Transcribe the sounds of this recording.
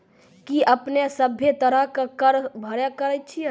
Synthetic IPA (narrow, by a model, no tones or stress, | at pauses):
kiʔəpnesəbʱːjet̪əɾəɦkekəɾbʱəɾjəkəɾɛjt̪̚t͡ʃʰi